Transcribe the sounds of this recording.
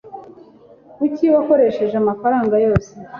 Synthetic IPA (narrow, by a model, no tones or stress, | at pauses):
kuciβako̞ɾe̞ʃe̞ʒeamafaɾaːŋɡajo̞ːse